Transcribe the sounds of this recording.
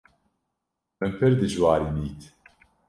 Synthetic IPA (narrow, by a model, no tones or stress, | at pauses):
mɨmpʰɨɾd̪ɨʒwaːɾiniːt̪ʰ